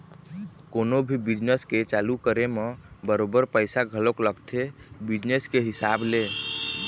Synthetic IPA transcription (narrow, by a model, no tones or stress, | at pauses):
konobʱibid͡ʒnəsket͡ʃalukəɾemebəɾobəɾpəɪsaɡʱəlokləɡt̪ʰebid͡ʒneskeɦisable